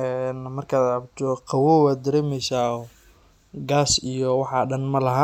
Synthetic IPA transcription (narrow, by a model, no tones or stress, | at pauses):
ʔɛːnmɐrkʰaːd̪ʕɑbt̪ʰɔqɑwɔːwaːd̪ɐɾeːmɛjsaːɔ | ɡaːsijɔwɑħɑɖɐnmɐlɐɦa